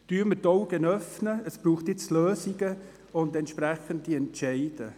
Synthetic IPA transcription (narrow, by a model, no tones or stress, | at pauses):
tyːɾmətɔʊɡ̥ənœfnəəspɾuːχtjɪt͡sløːsiɡə | ʊndɛntʃpɾæχəndiɛntʃɛɪd̥ə